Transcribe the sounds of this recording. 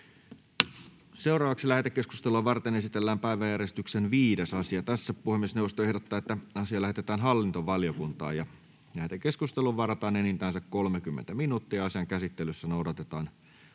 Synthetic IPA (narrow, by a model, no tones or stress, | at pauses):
se̞urɑːʋɑksilæht̪ekːesku̥st̪eluɑʋɑrt̪ene̞sit̪elːæːmpæiʋæjærjest̪yksenʋiːdesɑsiɑt̪æsːæppuhemːiesnewʋˑost̪oe̞hdot̪ːɑːet̪ːæɑsiɑlæhet̪et̪æːnɦɑlːint̪oʋɑlijokunt̪ɑ̰ːjɑ | læht̪ekeskust̪eluʋʋɑrɑt̪ɑːnenint̪æːnsækkolmekymːḛnt̪æminuːt̪ːiɑɑsiɑŋkæsit̪ːelysːænoudɑt̪et̪ɑːn